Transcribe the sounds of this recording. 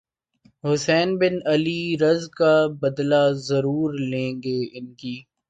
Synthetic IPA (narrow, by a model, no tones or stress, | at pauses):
ɦʊsɛːnbɪnɐliːɾɐzkabɐd̪lazɐɾuːɾlẽːŋɡeːɪnkiː